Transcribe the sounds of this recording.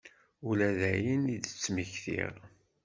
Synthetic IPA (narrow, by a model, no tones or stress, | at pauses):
ulæðæjənid̪ət͡sːmiçθḭʁ